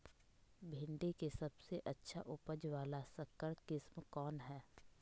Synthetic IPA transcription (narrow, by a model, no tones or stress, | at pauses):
bʱɪ̃ɳɖekesɐbseʔɐtːʃʰaʔʊpəd͡ʒʋaːlasɐkːəɾkɪsmkɔːnɦɛː